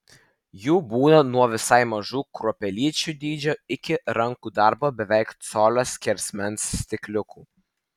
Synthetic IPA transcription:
juːbuːnɐnuɔʋʲɪsɑɪmɐʒuːkɾuɔpʲɛlʲiːt͡ʃʲuːˑd̪ʲiːd͡ʒʲoɪkʲɪɾɐŋkuːd̪ɑɾbobʲɛʋʲɛɪkt̪soːlʲosʲkʲɛɾʲsʲmʲɛnsːʲt̪ʲɪkʲlʲʊkuː

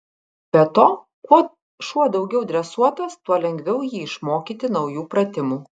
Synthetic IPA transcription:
bʲɛt̪oː | kuɔ | ʃuɔd̪ɒʊɡʲɛʊd̪ʲɾʲɛsuɔt̪ɐst̪uɔlʲɛŋʲɡʋʲɛʊjiːɪʃmoːkʲiːt̪ʲɪnɐʊjuːpɾɐt̪ʲɪmuː

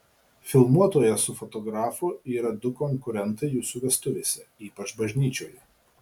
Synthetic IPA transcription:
fʲɪlˠmuɔt̪oːjɛsʊfɔt̪ɔɡɾɑːfʊiːɾɐd̪ʊkɔŋkʊɾʲɛnˑt̪ɐɪjuːsuːʋʲɛst̪ʊʋʲeːsʲɛiːpɐt͡ʃbɐʒʲnʲiːt͡ʃʲoːjɛ

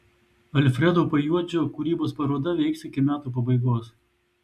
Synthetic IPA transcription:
ɐlʲfʲɾʲɛd̪oːpɐjuɔd͡ʒʲoːkʊɾʲiːboːspɐɾoːd̪ɐʋʲɛɪksɪkʲɪmʲæːt̪uːp̬ɐbɐɪɡoːs

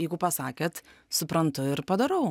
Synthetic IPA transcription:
ɛɪɡʊpɐsɑːkʲeːt̪sʊpɾɐnt̪ʊɪɾpɐd̪ɐɾɐʊ

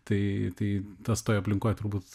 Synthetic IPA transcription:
t̪ɐɪt̪ɐɪt̪ɐst̪oːjɐpʲlʲɪŋkoːjt̪ʊɾbuːt̪

